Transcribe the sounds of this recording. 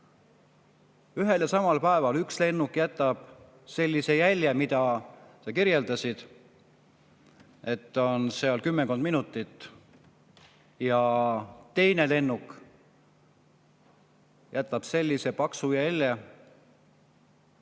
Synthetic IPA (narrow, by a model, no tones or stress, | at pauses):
yɦe̞ljɑsɑmɑlpæe̞vɑlyksle̞nːukjæt̪ːˑɑb̥ | se̞lʲːise̞jælʲjemid̪ɑsɑkiɾje̞ld̪̥ɑsʲid̪̥ | e̞t̪ːˑo̞nseɑlkymːekond̪minut̪ːˑit̪ːˑ | jɑt̪e̞jne̞le̞nːuk | jæt̪ːˑɑb̥se̞lʲːise̞pɑksujælʲːe